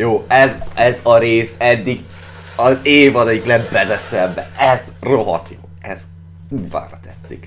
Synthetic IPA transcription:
joːɛzɛzɒɾeːsɛd̪ːiɡ | ɒzeːvɒnɛjiklɛbbɛd̪ɛsɛmbɛɛzroɦɒ̰t̪joːɛz̥ | uːva̰ːɾɒt̪ɛt̪sːḭk

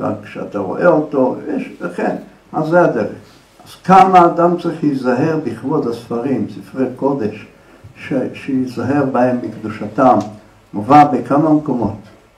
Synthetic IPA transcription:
ʁa̰kːʃea̰t̪aʁo̞̰ʔeoto̞jeʃlaχen | azead̪e̞ʁeχ | az̥kamaːdamt͡saʁiχlizaɦe̞ʁbiχvodhasfaʁimsifʁejko̞d̪eʃ | ʃeʃejizaɦe̞ʁbahe̞mbikd̪uʃatam | uvabekamamko̞mo̞t

